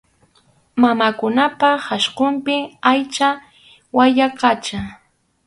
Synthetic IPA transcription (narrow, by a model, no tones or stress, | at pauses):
mamakʊnapahaʃqʊmpɪajt͡ʃa | wajaqat͡ʃa